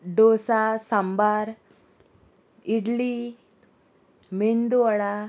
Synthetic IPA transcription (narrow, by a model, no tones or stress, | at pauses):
ɖosasambaɾ | iɽli | mend̪uɭa